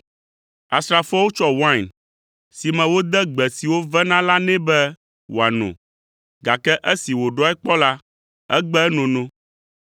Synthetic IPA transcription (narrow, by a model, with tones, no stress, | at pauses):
a˨st̪ɾa˨fo˦wo˦t͡ʃɔ˦wã˦˨n | si˨mɛ̃˨wo˦d̪ɛ˦ɡ͡bɛ˨si˨wo˦vɛ˦nã˦la˦nɛ̃˦bɛ˦ | wo˨a˨nɔ̰̃˨ | ɡa˨kɛ˦ʔɛ˦si˨wo˨ɖɔ˦ɛ˦k͡pɔ˦la˦ | ɛ̰˦ɡ͡bɛ˦ɛ˦nɔ̃˨nɔ̃˦